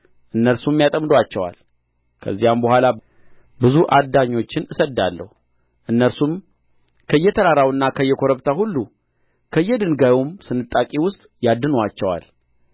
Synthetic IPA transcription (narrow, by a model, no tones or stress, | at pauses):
ʔɨnːəɾsumːjat̪ʼəmd̪oat͡ʃːɛwa̰l | kʰə̰zːijambəhʷala | bɨzuʔad̪ːaɲːo̞t͡ʃːɪnɨsəd̪ːalːə̰hu | ʔɨnːəɾsum | kʰəɨjːɛt̪ʰəɾaɾawɨnːakʰəɨjːɛkʰo̞ɾəβt̪ʰahulːu | kʰəjːɛd̪ɨnɡajomsɨnɨt̪ʼːakʼiwʊst̪ʼjad̪ːɨnowat͡ʃːɛwa̰l